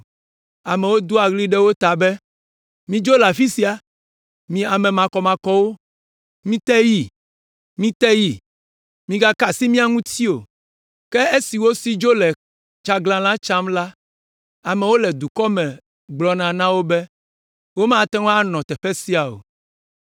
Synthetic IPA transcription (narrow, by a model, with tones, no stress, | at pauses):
a˨mɛ̃˨wo˦d̪o˦a˨ɣli˦ɖɛ˦wo˦t̪a˨bɛ˦ | mĩ˦d͡ʒo˦la˨fi˦si˦a˨ | mĩ˨a˨mɛ̃˨mã˨kɔ˨mã˨kɔ˦wo˦ | mĩ˦t̪ɛ˦ji˨ | mĩ˦t̪ɛ˦ji˨ | mĩ˨ɡa˦ka˨si˦mĩ˦a˨ŋũ˦t̪i˦o˨ | kɛ˦e˦si˨wo˦si˦d͡ʒo˦lɛ˨ | t͡ʃa˦ɡlã˨lã˦t͡ʃã˦mla˦ | a˨mɛ˨wo˦lɛ˨d̪u˨kɔ˦mɛ̃˨ | ɡ͡blɔ˨nã˨nã˦wo˦bɛ˦ | wo˦mã˦t̪ɛ˦ŋ˦a˦nɔ̃˨t̪ɛ˨ɸɛ˦si˦a˨o̰˨